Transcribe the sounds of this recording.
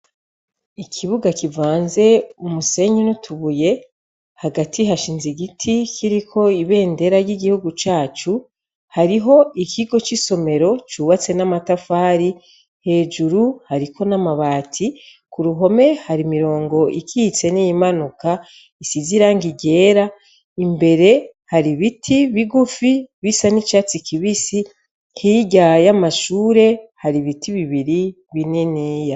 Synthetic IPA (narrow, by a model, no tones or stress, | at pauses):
ikʰiβuɡakivaːnze̞umuse̞ɲinutʰuβuje̞ | haɡatiɦaʃiːnziɡitʰikʰiɾikʰo̞iβe̞ːnde̞ɾaɾjiɡihuɡut͡ʃaːt͡ʃu | haɾiɦo̞ikʰiɡo̞t͡ʃiso̞me̞ɾo̞t͡ʃuːβat͡se̞namatafaːɾi | he̞ːd͡ʒuɾuhaɾikʰo̞namaβaːtʰi | kuɾuɦo̞me̞haɾimiɾo̞ːŋɡo̞ʔikʰit͡se̞nijimanuka | isiziɾaŋɡiɟe̞ːɾa | imbe̞ɾe̞ | haɾiβitʰiβiɡufiβisanit͡ʃat͡sikiβisi | hiɟajamaʃuːɾe̞haɾiβitiβiβiɾi | βineneja